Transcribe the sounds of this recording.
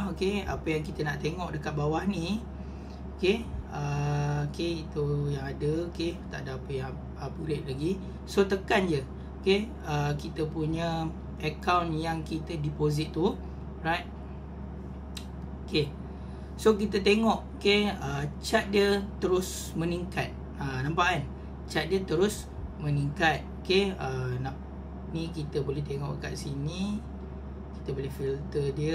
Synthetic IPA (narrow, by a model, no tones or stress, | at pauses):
okea̰pəjaŋkit̪ənaʔt̪eŋɔʔ̚dəkat̪̚bawahnĩ | okeəokeit̪ujaŋadəoket̪a̰ʔdaapəjaŋ | əpulɪʔ̪̚laɡi | sot̪əkand͡ʒə | oke | əkit̪əpuɲə | əkawnjaŋkit̪ədipozit̪ːu | ɹajt̪̚ | oke | sok̬it̪ət̪eŋɔʔokeət͡ʃat̪̚diət̪əɾʊs | mə̃niŋka̰t̪̚ | anãmpaʔan | t͡ʃat̪̚diət̪əɾʊs | mə̃niŋkat̪̚okeənaʔ | nikit̪əbolɛht̪eŋɔ̰ʔka̰ʔsini | ki̥t̪əbolɛhfilt̪ədiə